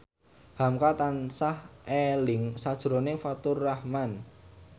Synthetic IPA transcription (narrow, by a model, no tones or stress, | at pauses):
hamkat̪ansahelɪŋsad̥ʒ̥ɾonefat̪ʊrːahman